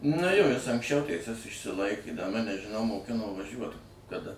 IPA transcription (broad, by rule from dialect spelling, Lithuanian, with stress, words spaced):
nʊ ˈjoː ˈjɪs ɐŋksʲˈt͡ʃʲɛʊ tʲɛɪˈsʲɛs ɪʃʲsʲɪˈlˠɐɪkʲeː dɐ ˈmɑːnʲɛ ʒʲɪˈnɐʊ moːˈkʲɪnoː ʋɐˈʒʲuɔt kɐˈdɐ